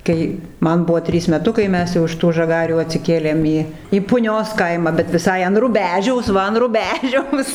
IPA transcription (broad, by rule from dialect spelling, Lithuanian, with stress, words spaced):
ˈkɐɪ ˈmɐn ˈbʊʋoː ˈtʲrʲiːs mʲɛˈtʊkɐɪ ˈmʲɛs jɛʊ ɪʃ ˈtuː ʒɐˈɡɑːrʲuː ɐtʲsʲɪˈkʲeːlʲeːm ˈiː iː pʊˈnʲoːs ˈkɐɪmɑː bʲɛt ʋʲɪˈsɐɪ ɐn rʊˈbʲæːʒʲɛʊs ˈʋɐ ɐn rʊˈbʲæːʒʲɛʊs